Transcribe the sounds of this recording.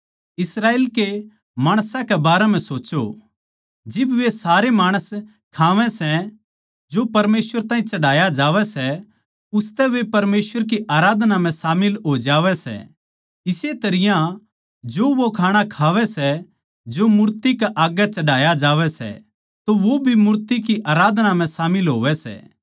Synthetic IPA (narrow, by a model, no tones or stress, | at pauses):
ɪsɾaːeːlke | maːɽ̃sãkɛbaːɾɛm̤ɛ̃soːt͡ʃo̰ | d͡ʒɪbʋesaːɾemaːɽ̃əs | kʰaːʋɛ̃sɛ | d͡ʒopɐɾmeːsʋəɾt̪ãːĩt͡ʃɐɽaːjad͡ʒaːʋɛsɛ | ʊst̪ɛʋepɐɾmeːsʋəɾk̬iʔaːɾaːd̪nam̤ɛ̃saːmɪlɦoːid͡ʒaːʋɛsɛ̰ | ɪset̪ɐɾɪjã | d͡ʒoʋokʰaːɽ̃akʰaːʋɛsɛ | d͡ʒomʊɾt̪ikaʔaːɡɛt͡ʃɐɽaːjad͡ʒaːʋɛsɛ̰ | t̪oʋobʱimʊɾt̪ikiʔaːɾaːd̪ʱnam̤ɛ̃saːmɪlɦoːʋɛsɛ̰